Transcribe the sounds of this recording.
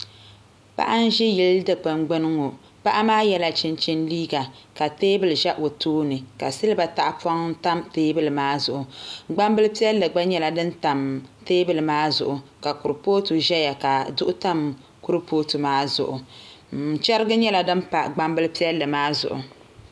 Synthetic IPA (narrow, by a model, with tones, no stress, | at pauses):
pa̰˦ʔa˦n˦ʒɪ˦jɪ˦ldɨ˨k͡pɨ˨mɡ͡bɨ˦nɨ˦ŋo˨ | pa˦ʔa˦maː˦jɛ˦la˦t͡ʃɪ˦nt͡ʃɪ˦nliː˦ɡa˨ka˨teː˦bɨ˨lʒɛ˦ʔo˨toː˦nɨ˨ka˨sɨ˦lɨ˦ba˨ta˦ʔpa˦ŋ˦ta˦mteː˦bɨ˦lɨ˨maː˦zʊ˨ʔʊ˨ɡ͡ba˦mbɨ˦lpi˦ɛ˦lːɨ˨ɡ͡ba˦ɲɛ˦la˨dɨ˦nta˨mteː˦bɨ˨lɨ˨maː˦zʊ̰˨ʔʊ˨ka˨kʊ˨ɾɨ˨poː˦tu˨ʒɛ˦ja˨ka˨dʊ˦ʔʊ˦ta˦m | kʊ˦ɾɨ˦pʰoː˦tu˨maː˦zʊ̰˨ʔʊ˨ | t͡ʃɛ˦ɾɨ˦ɡɨ˦ɲɛ˦la˨dɨ˦m˦pa˨ɡ͡ba˦mbɨ˦lpi˦ɛ˦lːɨ˨maː˦zʊ̰˨ʔʊ̰˨